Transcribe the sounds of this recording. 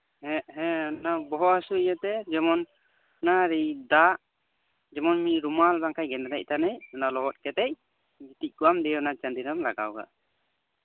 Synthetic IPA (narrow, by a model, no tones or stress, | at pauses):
hɛʔɦɛɔnabɔɦɔasuijat̪ɛd͡ʒɔmɔn | naɾijd̪aʔ | d͡ʒɛmɔnmiɾumalbaŋkʰajɡɛnd̪ɾac̚t̪anɛjɔnalɔɦɔt̚kɛt̪ɛj | bit̪ic̚kuwamd̪ɛɔnat͡ʃand̪iɾɔmlaɡa̰wɡa̰